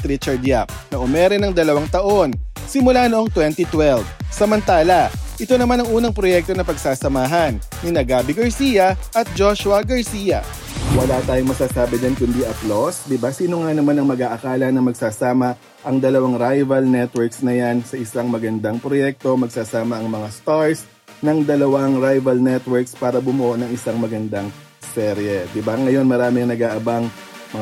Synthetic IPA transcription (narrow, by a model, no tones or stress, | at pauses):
t̪ɾit͡ʃɛɹd̪jap̚nɐʔʊmɛːɾɛnɐŋd̪ɐlɐwaŋt̪ɐʔo̞n | sɪmʊlanoʔoŋt̪wɛnt̪it̪wɛlbsɐmɐnt̪aːlɐʔɪt̪o̞nɐmanɐŋuːnɐŋpɾojɛk̚t̪o̞nɐpɐɡsaːsɐmaːɦɐnːɪnɐɡaːbɪɡɐɹsiːjɐʔɐt̪̚d͡ʒoʃwɐɡɐɹsiːjɐ̰ | wɐlat̪aːjoŋmɐsaːsaːbɪd͡ʒankʊnd̪iːʔɐplosd̪ɪbasiːnoŋanɐmanɐŋmɐɡaːʔɐkaːlɐnɐŋmɐɡsaːsaːmɐ | ʔɐŋd̪ɐlɐwaŋɾajvɐlnɛt̪wɛɹksnɐjansɐʔɪsaŋmɐɡɐnd̪ɐŋpɾojɛk̚t̪o̞mɐɡ̚saːsaːmɐʔɐŋmɐŋast̪aɹs | nɐŋd̪ɐlɐwɐŋɾajvɐlnɛt̪wɛɹkspaːɾɐbʊmʊʔoʔnɐŋʔɪsaŋmɐɡɐnd̪aŋ | sɛɾjɛd̪ɪbaŋɐjo̞nmɐɾaːmɪŋnɐɡaːʔɐbaŋ | mɐ